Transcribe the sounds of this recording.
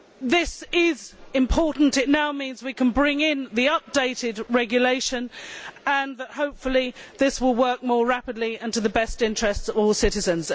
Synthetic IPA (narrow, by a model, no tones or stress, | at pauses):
ðɪsɪzɪ̃mpʰɔˑʔn̩tɪʔⁿnaʊmĩnzwikʰə̃nbɹɪ̃ŋɪ̃nðiʌp̚d̥eɪtɪdɹɛɡjəleɪʃə̃nə̃nðəʔhəʊpfəlˠiðɪswɪlˠwɜˑ˞k̚mɔːɹapɪdˡliʌ̃ntəðəbɛstɪ̃nt͡ʃɹ̥ɛstsəvɔːlˠsɪtɪzə̃nz̥